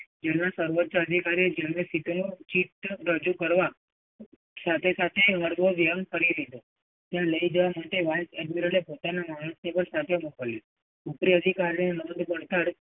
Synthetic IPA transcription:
d͡ʒɛnːasəɾʋətːt͡ʃəəd̪ʱikaɾied͡ʒemesit̪onot͡ʃit̪ɾəd͡ʒukəɾʋa | sat̪ʰesat̪ʰeɦəɽɡoʋiə̃ŋkəɽilet̪o | t̪jãləid͡ʒəʋaməʈ̪eʋajsɛɖmiɾəlepot̪anamaɳ̃ə̃snepəɾsat̪ʰemukəlje | upɾiəd̪ʱikaɾnenod̪bəɳt̪aɽ

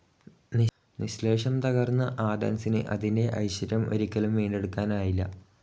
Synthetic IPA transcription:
ni | niɕle̞ːʂɐmt̪ɐɣɐrnːɐʔaːd̪ɐ̰nsinɨ̰ʔɐ̰ðinde̞ʔɐ̰jɕɐɾɐmʔo̰ɾikʲːɐlumʋiːɳɖe̞ɽukːaːnaːjilːɐ̰

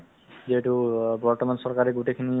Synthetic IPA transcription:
zeʈubɔɹtɔmansɔɹkaɹɛɡuʈekʰini

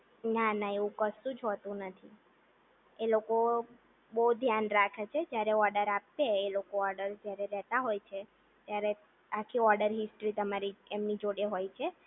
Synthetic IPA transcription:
nanaeʋũkəsũd͡ʒɦot̪ũnət̪ʰi | eloko | boud̪ʱjanɾakʰet͡ʃʰed͡ʒjaɾeɔɾɖəɾapːeːlokoɔɾɖəɾd͡ʒjaɾeɾɛɦt̪aɦojt͡ʃʰe | t̪jaɾe | akʰiɔɾɖəɾɦɪsʈɾit̪əmaɾiemnid͡ʒoɽeɦojt͡ʃʰe

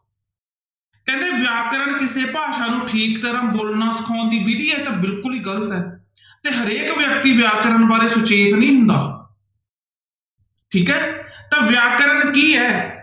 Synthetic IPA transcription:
kɛ̃ːnd̪eːʋɪjaːkəɾənkɪseːpaːʃaːnũːʈʰiːkt̪əɾãːboːlnaːsə̥kʰaːnd̪iːbid̪iːɛːt̪ãːbɪlkʊliːɡələt̪ɛː | t̪eːɦəɾeːkʋjək̚t̪iːʋjaːkəɾənbaːɾeːsʊt͡ʃeːt̪nĩːɦʊ̃nd̪a̰ː | ʈʰiːkɛːt̪ãːʋɪjaːkəɾənkiːɛː

